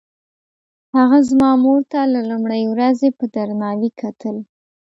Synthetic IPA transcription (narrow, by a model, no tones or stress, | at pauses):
haɣazmɑmoɾt̪alalumɽajwɾazepəd̪aɾnɑwikʰat̪əl